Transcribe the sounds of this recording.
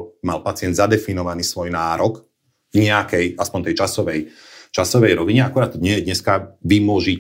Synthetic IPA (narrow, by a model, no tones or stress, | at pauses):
malpat͡sɪɛnd̪zad̪ɛfinɔʋaniːsʋɔjnaːɾɔk | ɲɛakɛjaspɔnt̪ɛjt͡ʃasɔʋɛj | t͡ʃasɔʋɛjɾɔʋiɲɛakuɾaːt̪̚t̪ːɔɲɛjɛd̪ɲɛskaʋimʊɔʒi